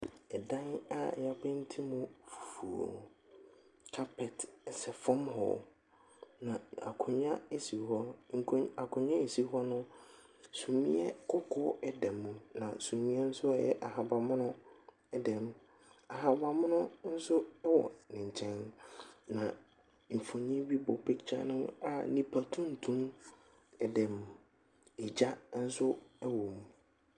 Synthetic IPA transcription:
ɛ˨dã˦na˦˨ja˦bɪ̃˦n̩˦tʰi˦mʊ̃˦fu˨fu˨o̰˨ | kʰa˦pʰɛ˨tɛ˨sɛ˨fɔ̃˦mɦɔ̰˨ | nã˨a̰˨kʰʊ̃˨ɲã˦e˦si˨ɦɔ˦ŋ̩˨kʰa˨kʰʊ̃˨ɲã˦e˨si˦ɦɔ˦nʊ̃˦ | sũ˨mĩ˦ɛ˦kʰʊ˦kʰʊ˦ɛ˦dɛ˨mũ˦nã̰˨sũ˨mĩ˦ɛ˦n̩˦sʊ˦a˨jɛ̰˦ʔa˨ɦa˨ba˨mʊ̃˦nʊ̃˦ | ɛ˦dɛ˨mũ˨ | a˨ɦa˨ba˨mʊ̃˦nʊ̃˦n̩˦sʊ˦ɛ˦wɔ̰˨nɪ̃˨ɲ˨t͡ɕʰɛ̃˦nnã˨ | m̩˨fõ˨ɲĩ˦bi˦bɔ˨pʰɛ˦t͡ɕʰa̰˦nʊ̃˦a˦˨nĩ˨pʰa˨tʰũ˦n̩˨tʰũ˦m | ɛ˨dɛ̃˨m˨ | ɛ˨d͡ʑa˦n̩˦sʊ˦ɛ˦wɔ˨mũ˨

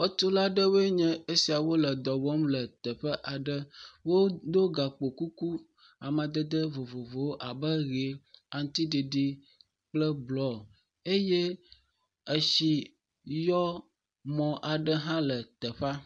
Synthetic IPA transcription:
wə˦t̪o˦la˦ɖə˦we˦ɲɛ̃˦e˦si˨a˨wo˦lə˨d̪ɔ˨vɔ˦mlə˨t̪ə˨ɸə˦ʔa˨ɖə˦wo˦d̪o˦ɡa˨k͡po˨ku˦ku˦ | a˨mã˨d̪ə˦d̪ə˦vo˨vo˨vo˨wo˦ʔa˨bə˦ɣe˨a˨ŋ˦t̪i˦ɖi˨ɖi˦ | k͡plə˦blɔ˨˦ | e˦jɛ˦ | ə˨ʃi˨ | jɔ˦ | mɔ̃˨ʔa˨ɖə˦ɦã˦lə˨t̪ə˨ɸa˦

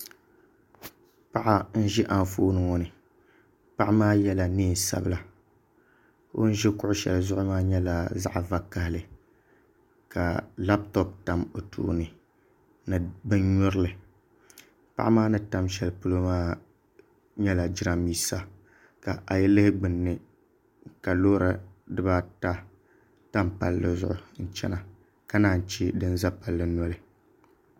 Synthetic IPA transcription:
pa˦ʔa˦n̩˦ʒɪ˦ʔa˨n˨foː˦nɨ˨ŋɔ˨nɨ˨ | pa˦ʔa˦maː˦jɛ˦la˨niː˦˨sa̰˦bɨ˦la˨ | o̰˦n̩˦ʒɛ˦kʊ˦ʔʊ˦ʃɛ̰˨lzʊ˦ʔʊ˦maː˦ɲɛ˦la˨za̰˦ʔva˨ka˨hɪ˨lɨ˨ | ka˨la˦p̚tɔ˦pta˨mo˨tʰṵː˦˨˦nɨ˨ | nɨ˨bɨ˦nɲɔ˦ɾɨ˦lɨ˨ | pa̰˦ʔmaː˦nɨ˦ta˦mʃɛ˦lpu˦lo˦maː˦ | ɲɛ˦la˨d͡ʒɪ˦ɾa˦miː˦sa˦ | ka˨ʔa˨jɛ˦lɨ˦hɪ˦ɡ͡bɨ˨nːɨ˦ | ka˨lo˦ɾa˦dɨ˦ba˦ta˦ | ta˦mpa̰˨lːɨ˨zʊ˦ʔʊ˨n̩˨t͡ʃɛ̰˦na˨ | ka˦naː˦˨n̩˨t͡ʃi˦dɨ˦n˦za˦pa˨lːɨ˦nɔ˦lɨ˦

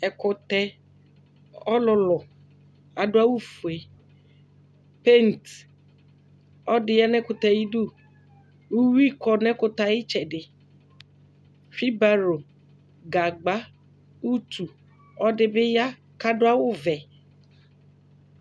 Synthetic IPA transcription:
ɛ˨kʊ˨t̪ɛ˦ | ɔ˦lʊ˨lɔ˨ | a˨ɖʊ˦a˦wʊ˦fu˨e˨ | pe˦n˨t̪ | ɔ˦dɪ˨ja˦nɛ̃˦kʊ˨t̪ɛ˨ji˦do˦˨ | u˦wi˦kɔ˨nɛ̃˦kʊ˦t̪a˨jɪ˦t͡ʃɛ˨dɪ˨ | fi˦ba˦ɾo˨ | ɡa˨ɡ͡ba˨˦ | u˦t̪ʰu˨ | ɔ˦dɪ˨bɪ˦ja˦ | ka˦dʊ˦a˦wʊ˦vɛ˨

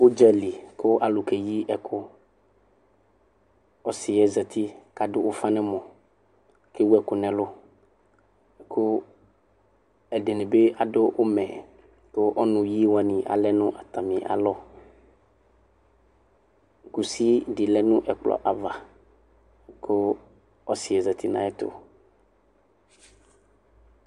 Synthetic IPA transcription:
wo˦d͡ʒɛ˦li˨ko˦ʔa˨lʊ˨ke˨ji˦ɛ˨kʰʊ˦ | ɔ˦si˨ɛ˨zɛ˨t̪ʰi˦ka˨dʊ˦wo˦fa˦nɛ̃˦mɔ̃˨ | ke˦wu˦ɛ˨kʊ˨nɛ̃˨lʊ˦˨ | kʰo˦ | ɛ˨ɖe˨nẽ˨be˦a˨ɖʊ˦wo˦mɛ̰̃˨ | ko˦ʔɔ˦nʊ̃˨ji˦wa˨nĩ˨ʔa̰˨lɛ˦nʊ̃˦ʔa˨t̪a˨mĩ˨ʔa̰˨lɔ˦ | ɡu˨si˦ɖi˨lɛ˦nʊ̃˦ʔɛ˨k͡plɔ̰˨ʔa˨va˨˦ | ko˦ | ɔ˦si˨ɛ˨zɛ˨t̪i˦nã̰˨ɛ˦t̪ʊ̰˨

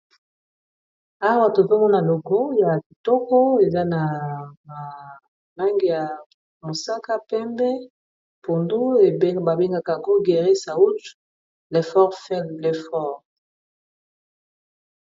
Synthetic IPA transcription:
a˦wa˦˨to˨va˦mɔ˦na˨lo˨ko˦ja˨ki˨tɔ˦kɔ˦e˨za˦na˨a˨ | na˦ŋɡi˨ja˨ | mo˨sa˦ka˦pɛ˦mbɛ˦ | po˨ndu˦e˨˦ba˨be˦ŋɡa˨ka˨ŋɡo˦ɡe˨ʁi˦sa˨u˦tu̥˨ | le˨fɔ˦ʁfɛ˦lle˨fɔ˦˨ʁ

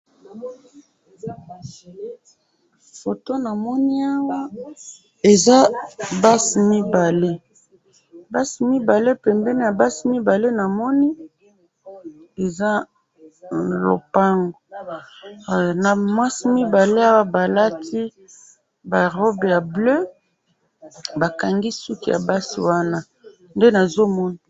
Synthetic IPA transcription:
fo˨to˦na˨mɔ˦ni˦a˦ŋɡa˦ | e˨za˦ba˦si˨mi˦ba˨le˦ | ba˦si˨mi˦ba˨le˦pɛ˨mbɛ˦ne˦a˨ba˦si˨˦mi˦ba˨le˦na˨mɔ˦ni˦ | e˨za˦˨ | lo̰˨pa˦ŋɡo˨ | na˨mwa˦si˦mi˦ba˨le˦a˦wa˦ba˨la˦tʰi˦ | ba˨ʁɔ˦bja˨blø˦ | ba˨ka˨ŋɡi˦su˦ki˨ja̰˨ba˦sḭ˨wa˦na˦ | nde˦na˨zo˦mɔ˦ni˨

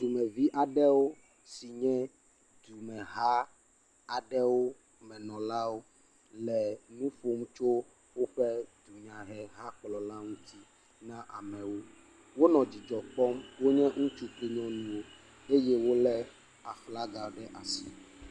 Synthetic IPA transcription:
d̪u˨mɛ̃˨vi˦ʔa˨ɖɛ˦wo˦ | si˨ɲɛ̃˦ | d̪u˨mɛ̃˨ɦa˦ | a˨ɖɛ˦wo˦ | mɛ̃˨nɔ̃˨la˦wo˦ | lɛ˨nũ˦ɸo˦m˦t͡ʃo˦ | wo˦ɸɛ˦d̪u˨ɲã˨ɦɛ˨ɦa˦k͡plɔ˨la˦ŋũ˦t̪i˦ | nã˦ʔa̰˨mɛ̃˨wo˦ | wo˦nɔ̃˨d͡ʑi˨d͡ʒɔ˨k͡pɔ˦mwo˦ɲɛ̃˦ŋũ˦t͡ʃu˦kli˦ɲɔ̃˦nũ˦wo˦ | e˦jɛ˦wo˦lɛ˦ | a˨fla˦ɡa˨ɖɛ˦ʔa˨si˨

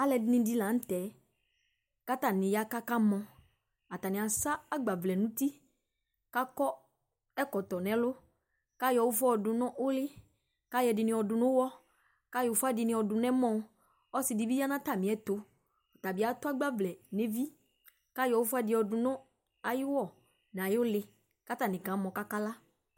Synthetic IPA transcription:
a˦lɛ˨dɪ˨nɪ̃˧di˦la˨˦n̩˦t̪ɛ˨˦ | ka˦t̪a˨nɪ̃˨ja˨˦ka˦ka˦mɔ̃˧ | a˨ta˨nɪ̃˨a˨sa˦a˦ɡ͡ba˨vlɛ˨nʊ̃˦t̪i˦ | ka˦kɔ˦ | ɛ˦kɔ˨t̪ɔ˨nɛ̃˨˦lʊ˦ | ka˦jɔ˨wʊ˦fɔ˦ɔ˨dʊ˨nʊ̃˦ʔʊ˦lɪ˦ | ka˦jɛ˨dɪ˨nɪ̃˨˦ɔ˨dʊ˨nʊ̃˦wɔ˦ | ka˦jʊ˨fʊ˦a˦dɪ˨nɪ̃˨˦ɔ˨dʊ˨nɛ̃˦mɔ̃˦˨˦ | ɔ˦sɪ˨dɪ˨bi˦ja˦nã˦ta˦˨mɪ̃˨˦ɛ˦t̪ʊ˨˦ | ɔ˨t̪a˨bɪ˨˦a˨˦t̪ʊ˦a˦ɡ͡ba˦vlɛ˨ne˦vi˦ | ka˦jɔ˨wʊ˦fʊ˦a˦dɪ˨ɔ˨dʊ˨nʊ̃˦ | a˨jɪ˦wɔ˦˨ | n˨a˨jʊ˦lɪ˦ | ka˦t̪a˨nɪ̃˨kã˨˦mɔ̃˨ka˦ka˦la˦

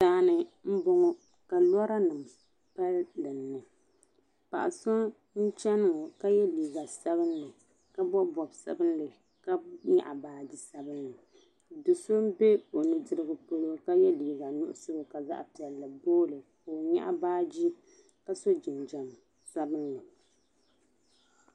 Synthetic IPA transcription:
saː˦nɨ˨m̩˦bo˦ŋɔ˦ | ka˨lɔ˦ɾa˦nɨ˨m | pa˦ldɨ˨nːɨ˨ | pa̰˨ʔa̰˨so˦ | n̩˦t͡ʃɛ˦n˨ŋɔ˨ka˦jɛ˦liː˨ɡa˨sa˦bɨ˦nlɨ˨ | ka˦bɔ˦bɔ˨bsa̰˦bɨ˦nlɨ˨ | ka˦ɲa̰˦ʔa˨baː˦d͡ʒi˦sa˦bɨ˦nːɨ˨ | dɨ˨so˦m˦be˦o˨nɨ˨dɨ˦ɾɨ˦ɡɨ˨po˦lo˦ka˦jɛ˦liː˨ɡa˨nʊ̰˦ʔʊ̰˦sɨ˦˨ka˨za̰˦ʔpi˨ɛ˨lːɨ˨boː˦lɨ˨koː˨ɲa̰˦ʔa̰˦baː˦d͡ʒi˦ | ka˦so˦d͡ʒɪ˨nd͡ʒa˨m | sa˦bɨ˦nlɨ˨

